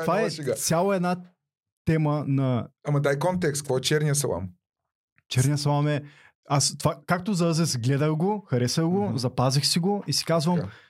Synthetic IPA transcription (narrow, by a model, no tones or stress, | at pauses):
tovaɛɡat̪sʲjalˠoɛd̪na | t̪ɛmənɐamɐd̪ajkɔnt̪ɛkst̪kvɔɛt͡ʃɛɾniəs̬ɐ̰lˠa̰m | t͡ʃɛɾnijəsɐlˠamɛ | ast̪o̥vakak̚t̪ozɐəzɛsɡlɛd̪əxɡoxɐɾɛsɐxɡozɐpazixsiɡoisi̥kazvɐm